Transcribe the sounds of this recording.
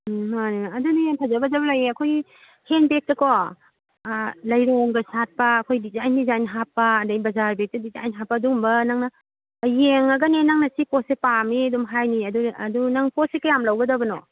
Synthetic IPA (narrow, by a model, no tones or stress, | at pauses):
maneɐdunitʰazɐbɐzɐbɐlajeɐkʰojɡi | henbek̚tɐkɔ | lɐjɾoŋɡɐsat̚pɐːkʰojdizajnizajnɦapːɐːdajbɐzaɾbek̚tɐdiza̰jnɦapːɐdumbɐnaŋnɐ | jeŋɐɡɐnenaŋnɐsipɔsepamiɐdumɦajniɐduɐdunaŋpɔsekajamlɐwɡɐdɐbɐnɔ